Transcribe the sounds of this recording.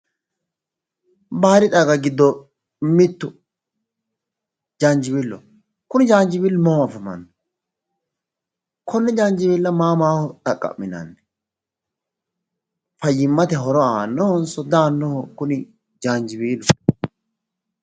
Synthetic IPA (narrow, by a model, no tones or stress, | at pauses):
baːɾɪt̪ʼaɡɐɡɪd̪ːɔ | mɪt̪ːʊ | d͡ʒaːnd͡ʒɪbilːɔ̰ | kʊnɪd͡ʒaːnd͡ʒɪbiːlːɔmɔhɔɐfɐmɐ̰nːɛ | kɔnːɛd͡ʒaːnd͡ʒɪbilːɐmaːmaːhɔt̪ʼɐkʼːɐ̰mːɪnɐ̰nːɛ | fɐjːɪmːɐt̪ɛɦɔɾɔaːnːɔhɔnsɔd̪aːnːɔhɔkʊnɪ | d͡ʒaːnd͡ʒɪbiːlʊ